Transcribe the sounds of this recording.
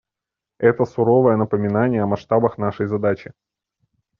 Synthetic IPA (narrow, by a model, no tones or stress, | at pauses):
ɛt̪əsʊɾo̞vəjənəpəmʲɪnanʲɪjəɐmɐʂt̪abəxnaʂəjzɐd̪at͡ɕɪ